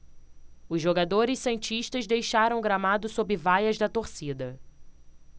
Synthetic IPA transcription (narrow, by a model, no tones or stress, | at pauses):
ʊzʒːoɡad̪oɾɪssẽnt͡ʃiʃt̪ɐzd̪ejʃaɾɐ̃w̃ɡɾamad̪ʊsobɪvajɐzd̪ɐt̪oɾsid̪ɐ